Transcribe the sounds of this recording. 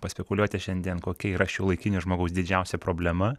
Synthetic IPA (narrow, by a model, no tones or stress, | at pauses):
pɐsʲpʲɛkʊlʲuɔt̪ʲɪʃʲɛnʲd̪ʲiɛnkoːkʲɛiːɾɐʃjɛʊlˠɐɪkʲɪnʲʊʒmoːɡɐʊsd̪ʲɪd͡ʒʲɛʊsʲɛpɾoːbʲlʲɛmɐ